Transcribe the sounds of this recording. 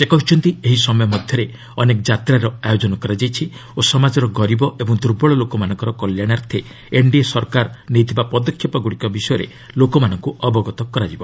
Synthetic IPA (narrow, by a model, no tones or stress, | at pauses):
sekɔɦut͡ʃʰɔnt̪ieɦisɔmɔjɔmɔd̪ʱjɔɾe | ɔnekɔd͡ʒat̪ɾaɾɔajod͡ʒɔnɔkɔɾad͡ʒajt͡ʃʰiosɔmad͡ʒɔɾɔɡɔɾibɔebɔŋd̪ʱuɾbɔɭɔlokɔmanɔ̃ŋkɔɾɔkɔljaɽ̃aɾt̪ʰe | eɳɖiesɔɾkaɾnejt̪ʰibapɔd̪ɔkʰjɔpɔɡuɽikɔbisɔjɔɾḛ | lokɔmanɔŋkuɔbɔɡɔt̪ɔkɔɾad͡ʒibɔ